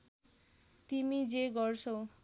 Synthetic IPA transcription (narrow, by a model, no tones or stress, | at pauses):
t̪imid͡zeɡʌrt͡sʰʌw